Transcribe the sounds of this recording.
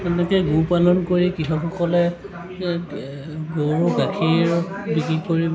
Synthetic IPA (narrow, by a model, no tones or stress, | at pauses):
ɛnɛkɛɡupalɔnkoɹikixɔkʰɔkɔlɛ | ɡoɡakʰiɹ | bikɹikoɹib